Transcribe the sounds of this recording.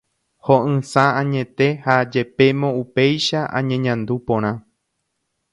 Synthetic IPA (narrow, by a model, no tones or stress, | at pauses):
hoʔɨ̃sããɲẽ̞t̪e̞had͡ʒe̞pe̞mõupe̞jʃaʔã̰ɲẽ̞ɲãnd̪upõ̞ɾ̃ã